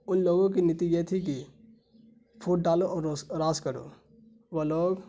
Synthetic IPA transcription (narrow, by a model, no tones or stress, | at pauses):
ʊnloːɡõk̬inɪt̪ijet̪ʰik̬i | pʰuːʈ̚ɖaːloʔɔːɾɾaːskəɾo̰ː | ʋoloːɡ